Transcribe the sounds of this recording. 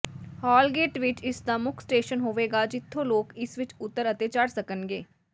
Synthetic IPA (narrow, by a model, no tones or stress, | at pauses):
haːlɡeːʈʋɪt͡ʃɪsd̪aːmʊkʰsʈeːʃənɦoːʋeːɡaːd͡ʒɪt̪ʰːõːloːkɪsʋɪt͡ʃʊt̪ːəɾət̪eːt͡ʃaɽsəkənɡeː